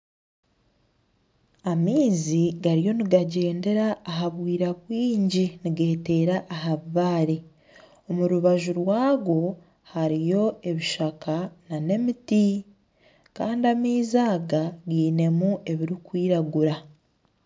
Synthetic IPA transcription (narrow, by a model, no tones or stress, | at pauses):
amiːziɡaɾijo̞niɡaɟe̞ːnde̞ɾaːɦaβwiːɾakwiːɲɟiniɡe̞ːte̞ːɾaʔːɦaββaːɾe | o̞muɾuβaʒuɾwaːɡo̞ | haɾijo̞e̞βiʃakanane̞miti | kaːndiamiːzaːɡaɡiːne̞muʔe̞βiɾikwiːɾaɡuɾa